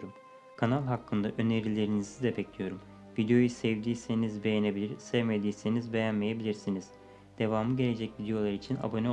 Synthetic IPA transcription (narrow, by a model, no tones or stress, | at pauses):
ɾum | kʰanalˠɦakːɯnd̪aʔø̞ne̞ɾilʲe̞ɾinizid̪ɛbɛclʲijo̞ɾum | vid̪ejo̞jusɛvd̪iːsenizbe̞jenebilʲiɾsɛvme̞d̪iːsenizbe̞jænme̞jebilʲiɾsiniz̥ | d̪̥e̞vaːmɯɟe̞lʲe̞d͡ʒɛcvid̪ejo̞lˠaɾit͡ʃʰina̰bo̞ne